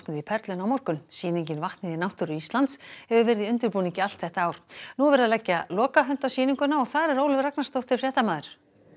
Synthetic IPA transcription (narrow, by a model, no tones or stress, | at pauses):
knɪðipʰɛɾt̪lʏnawmɔr̥kʏmsiːniɲcɪnvaht̪nɪðinawht̪ʏɾʏist̪lant̪shɛvʏvɛːɾɪðiʏnt̪ʏɾpuːniŋcɪalt̪θɛht̪aaːwɾ̥nuvɛɾaðlɛcːalɔːkaɦʏn̥t̪awsiːniŋkʏnaɔɣθaðɾɛɾowlvɾaknast̪ow̥t̪θɪɾrjɛːt̪amaːðʏɾ̥